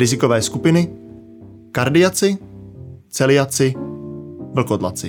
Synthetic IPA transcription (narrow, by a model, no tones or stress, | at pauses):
ɾɪzɪkovɛːskupɪnɪ | kaɾdɪat͡sɪ | t͡sɛlɪat͡sɪ | vl̩kod̪la̰t͡sɪ